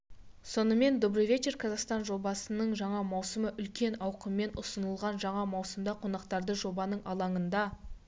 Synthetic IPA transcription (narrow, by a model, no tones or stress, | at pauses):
so̞nəme̞nd̪obrivʲetʲːe̞rkʰazɑqst̪ɑnʒo̞bɑsənəɴʒɑɴɑmɑwsəməʔʏlkʲe̞nɑwqəmːe̞nʊsənəlˠʁɑnʒɑɴɑmɑwsəmd̪ɑqʰo̞nɑqt̪ɑɾd̪əʒo̞bɑnəɴʔɑlˠɑɴənd̪ɑ